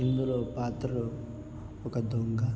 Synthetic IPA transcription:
ind̪uloːpaːt̪ɐo | ɔkɐd̪ʱoŋɡa

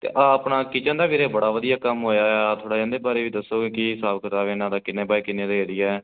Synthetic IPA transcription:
t̪ḛːʔaːəpɳaːkɪt͡ʃãːd̪aːʋiːɾeːbəɽaːʋəd̪ijaːkəmɦoːjaːɛaːt̪ʰoːɽaːd͡ʒãːnd̪eːbaːɾeːʋiːd̪əsːoːɡekɪsaːbkət̪aːʋeːnãːd̪aːkɪnːẽːbaːeːkɪnẽːd̪eɦeɾɪjaɛː

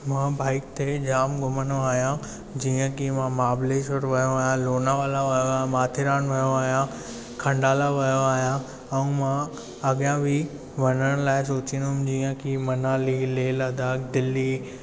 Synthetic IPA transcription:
mãːbaːɪk̚t̪ʰed͡ʑaːmɡʊmənoaːɦijã | d͡ʑiːə̃kimãmaːbleːsʊɾʋɐjoaːɦjãloːnaʋaːlaʋɐjoaːjãmaːt̪ʰɪɾaːnʋɐjoaːɦijã | kʰɐ̃ɳɖaːlaʋɐjoaːɦijã | ɛũmã | ɐɠjãbʱɪ | ʋɐnəɽ̃laːɪs̬oːt͡ɕĩnd̪ɦʊmd͡ʑiːə̃kimɐnaːlileːlɐd̪aːk̚d̪ɪlːi

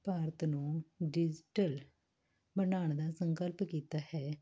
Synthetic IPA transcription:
paːɾət̪nũːɖɪd͡ʒʈəl | bənaːɳd̪aːsəŋkəlpkiːt̪aːhɛː

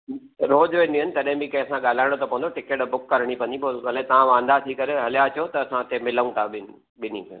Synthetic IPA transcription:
ɾoːd͡ʑʋẽniənɪ̆t̪ɐɗɦɪ̃mbĩkɐ̃ɦɪ̃sãɠaːl̤aːɪɽ̃ot̪opɐʋə̃nd̪oʈɪkeːʈbʊkːɐɾɽ̃ipɐ̃nd̪iboɐlet̪ɐʋ̤ãʋãːnd̪at̪ʰikɐɾeɦɐlijat͡ɕjot̪ɐːsãt̪ʰemɪləũt̪ʰaɓɪnɪ | ɓɪnik

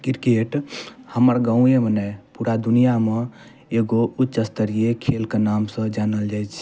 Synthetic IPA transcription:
kiɾkeʈhəməɾɡaũjemənəjpuɾad̪unijame | eɡoutːt͡ʃəst̪əɾiekʰelkenamsə̃d͡ʒanəld͡ʒajt͡ʃʰ

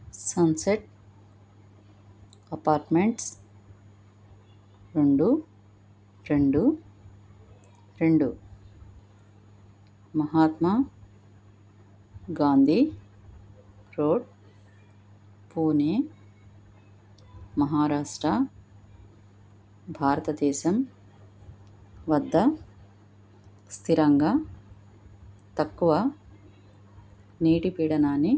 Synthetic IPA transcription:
sɐnseʈ̚ | ɐpaːɾʈmeɳʈs | ɾeɳɖu | ɾeɳɖu | ɾeɳɖu | mɐɦaːt̪ma | ɡaːnd̪ʱi | ɾoːɖ | puːneː | mɐɦaːɾaːʂʈɾɐ | bʱaːɾɐt̪ɐd̪ɛːʃɐm | ʋɐd̪ʱːɐ | st̪ʰiɾɐŋɡɐ | t̪ɐkːuʋɐ | niːʈipiːɽɐnaːni

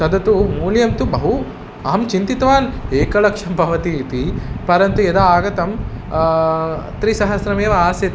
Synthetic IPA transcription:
sɐd̪ɐt̪umuːljɐmt̪ubɐɦu | ɐɦɐmt͡ʃint̪it̪ʋaːneːkɐlɐkʂɐmbʱɐʋɐt̪iːt̪ipɐɾɐnt̪ued̪aaːɡɐt̪ɐm | t̪ɾisɐɦɐsɾɐmeːʋɐaːsɐt̪

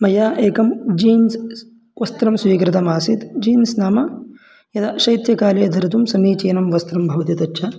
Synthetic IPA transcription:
mɐjaːʔeːkɐmd͡ʒiːns | ʋɐst̪ɾɐmsʋiːkɾɪt̪ɐmaːsit̪d͡ʒiːnsnaːmɐ | jɐd̪ɐʃɐjt̪jɐkaːleːɐd̪ʱɐɾɐt̪umsɐniːt͡ʃeːnɐmʋɐst̪ɾɐmbʱɐʋɐt̪jɐt̪ɐtːʃʰɐ

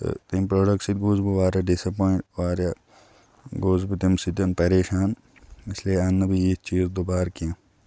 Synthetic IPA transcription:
t̪impɾoːɖɐksit̪̚ɡuːzbiʋaːɾjɐɖisɐpoːiɳʈʋaːɾja | ɡoːzbit̪imsid̪ɐnpɐɾeːʃaːn | ɐslianːɐbiit͡ʃiːzd̪obaːɾkiã

